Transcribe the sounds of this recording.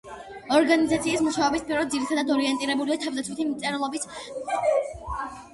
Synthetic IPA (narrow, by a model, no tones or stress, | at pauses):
ɔɾɡanizat̪sʰiːsmuʃaɔbispʼiɾɔd̪d̪ziɾit̪ʰad̪ad̪ɔɾiɛnt̪ʼiɾɛbuliat̪ʰavd̪at̪sʰwit̪ʰimt̪sʼɛɾlˠɔbis